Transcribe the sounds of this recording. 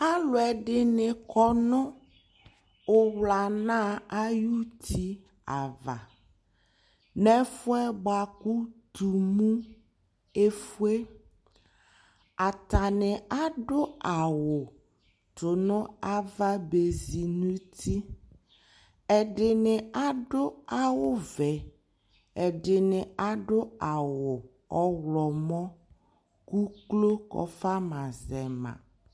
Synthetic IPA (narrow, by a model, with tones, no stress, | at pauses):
a˦lʊ˨ɛ˨ɖɪ˦nɪ˨kɔ˨nʊ̃˦ | o˦wla˨nã˦a˦ju˦t̪ʰi˦ | a˨va̰˨ | nɛ̃˦fʊ˦ɛ˦ba˨ku˦t̪u˨mũ˦ | e˦fu˦e˦ | a˨t̪a˨nɪ̃˨a˦ɖʊ˦a˨wʊ˨ | to˨nʊ̃˦a˦va˦be˨zi˨nũ˦t̪ʰi˦ | ɛ˨ɖɪ˨nɪ˨a˦ɖo˦a˦wʊ˦vɛ˨ | e˨ɖɪ˨nɪ̃˨a˨ɖo˦a˨wo˨ | ɔ˦wlɔ˨mɔ̃˦ | ku˦klo˦kɔ̰˦fa˦mã˨zɛ˨mã̰˨